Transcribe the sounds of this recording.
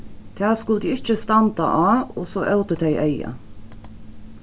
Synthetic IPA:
t̪ʰæːskʊld̪iːɪc͡çəst̪ɑnd̪ɑ̰ʔɑːosoːʔœʊt̪ət̪ʰæɪʔæɪɑ̰

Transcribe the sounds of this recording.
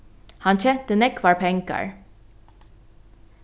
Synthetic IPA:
hɑnçɛnt̪ənɛkʰʋɑɹpʰɛŋkɑ̰ɹ

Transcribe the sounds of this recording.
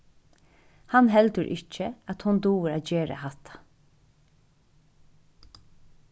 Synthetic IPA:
hɑnɦɛld̪əɾʔɪ̰cːəat̪hʊnd̪uːɾaːd͡ʒeːɾə̰hɑt̪ʰḁ

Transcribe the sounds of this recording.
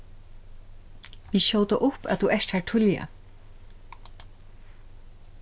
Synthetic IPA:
ʋiɕoːwt̪aʔʊpːa̰ðθuʔɛʃt̪haɹʈʰʊlja̰

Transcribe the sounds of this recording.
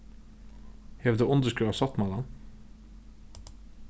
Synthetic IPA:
heːʋd̪eːʊnd̪əskʉːɑsɑt̪mɑd̪ɑn

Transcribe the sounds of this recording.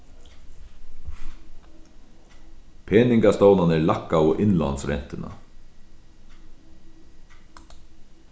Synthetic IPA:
pʰeːnɪŋkast̪oːwnanɛlakːawɔʔɪnla̰nsɾɛ̰n̥t̪ɪna̰

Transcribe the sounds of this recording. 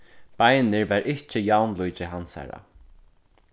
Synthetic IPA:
b̥ajnɪɹvaɹʔɪht͡ʃɪjawnlujt͡ʃɪɦansa̰ɹa̰

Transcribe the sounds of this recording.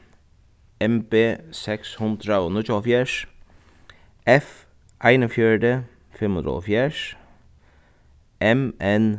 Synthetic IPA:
ɛmbeːsɛkshʊnd̪ɾanʊt͡ɕɔfjɛʂ | ɛf | ajnəfjœɹd̪e | fɪmənd̪ɾɔ̰fjɛʂ | ɛmɛn

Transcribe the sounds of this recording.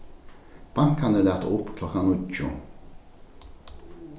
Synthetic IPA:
b̥aŋkanəlæːt̪ʊpkʰlɔkanʊcːʊ̰

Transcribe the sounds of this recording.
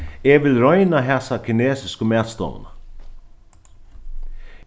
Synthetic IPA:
ɛʋɪlɾɔʏnaɦɛsakʰɪneːsɪskəmæːt̪st̪ɔ̰w̰na

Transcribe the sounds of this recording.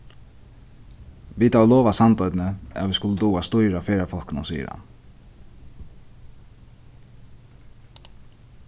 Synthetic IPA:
ʋiːt̪awlɔːʋasant̪ɔjt̪nəa̰ːʋiskʊlːət̪uːast̪ʊjɾafeːɾafɔlknʊnsḭːɾa̰

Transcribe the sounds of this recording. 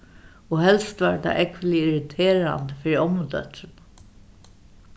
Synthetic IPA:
ɔɦɛlst̪ʋaːɹt̪ʰa̰ːʔɛkʋəlɪɪɾɪt̪ʰeːɾa̰nt̪əfɪːɾiɔmʊt̪œ̰t̪n

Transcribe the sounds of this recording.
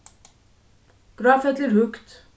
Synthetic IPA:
ɡ̥ɾɑːfət̪liːɾhɵkt̪

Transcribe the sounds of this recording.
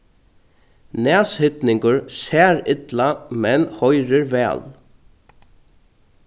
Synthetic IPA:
næːshʏt̪nɪŋkʊɹsæːɾɪt̪lamɛnhɔjɾəɾʋɛ̰ːl

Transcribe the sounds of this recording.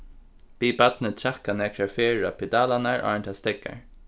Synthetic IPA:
piːbat̪nət͡ʃʰakanɛːkʰɾaɹfeːɹapʰɪd̪aːlanaɹʔa̰ːɹnt̪ʰast̪ɪkːa̰ɹ

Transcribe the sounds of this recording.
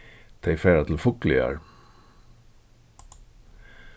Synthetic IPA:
t̪ʰeɪfeːɾat̪ʰl̩fʊklɪ̰a̰ɾ

